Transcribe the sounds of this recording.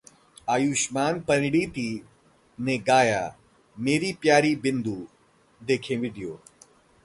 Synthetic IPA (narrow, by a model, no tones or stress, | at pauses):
aːjuːʃmaːnpɐ̃nɽit̪i | nẽɡaːja̰ː | meːɾipjaːɾibɪnd̪uː | d̪eːkʰẽʋɪd̪ʱijoː